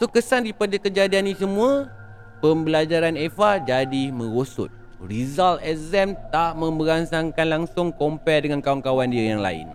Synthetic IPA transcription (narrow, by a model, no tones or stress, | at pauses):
sokəsanɾipadakəd͡ʒadianisəmũã | pəmbəlad͡ʒaɾanɛfad͡ʒadimə̃ɾosʊ̰t̪̚ | rizalt̪ɛzɛmt̪aʔmə̃mbəɾansaŋkanlaŋsʊŋkompɛdəŋankawankawandiəjaŋla̰ɪ̰n